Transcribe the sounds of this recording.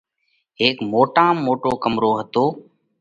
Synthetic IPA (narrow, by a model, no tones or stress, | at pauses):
ɦeːkmoːʈãːmːoːʈoːkəmɾoːɦət̪oː